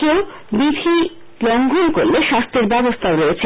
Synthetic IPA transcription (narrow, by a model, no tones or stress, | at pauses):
ew | bid̪ʱi | lɔŋɡʱonkoɾleʃast̪ʰeɾbɛbost̪ʰaɾoet͡ɕʰe